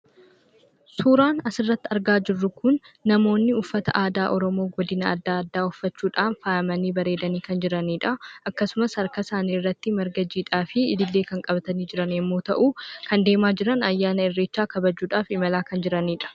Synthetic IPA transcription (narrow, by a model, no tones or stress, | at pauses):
suːɾaːnɐsɪrːɐt̪ːɪɐɾɡaːd͡ʒɪrːʊkʊnː | ɐmo̞ːnːɪʊfːɐt̪ɐ̰ʔaːd̪aːʔɔɾɔmo̞ːɡɔd̪ɪnɐɐ̰d̪ːaːɐd̪ːaːʊfːɐt͡ʃːuːᶑaːnfaːʔɐmɐniːbɐɾe̞ːd̪ɐniːkɐnd͡ʒɪɾɐniːᶑɐɐkːɐsʊmɐsɐɾkɐsaːniːrːɐt̪ːɪmɐɾɡɐd͡ʒiːᶑaːfɪɪd̪ɪlːe̞ːkɐŋkʼɐbɐt̪ɐniːd͡ʒɪɾɐnɛmːoːt̪ɐʔuːkɐnd̪e̞ːmaːd͡ʒɪɾɐnɐjːaːnɐɛrːe̞ːt͡ʃːaːkɐbɐd͡ʒuːᶑaːfɪmɐlaːkɐnd͡ʒɪɾɐniːᶑɐ̥